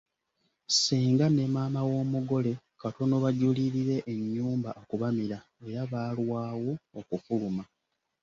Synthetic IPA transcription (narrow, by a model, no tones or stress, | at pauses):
siːŋɡane̞maːmawo̞ːmuɡo̞le̞ | kato̞no̞βaɟuliɾiɾe̞ʔːɲːuːmbaʔokuβamiɾa | e̞ɾaβaːlwaːwo̞ːkufuluma